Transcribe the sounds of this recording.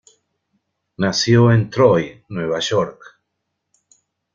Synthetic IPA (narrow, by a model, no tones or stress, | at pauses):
nasjoent̪ɾojnweβaʃoɾk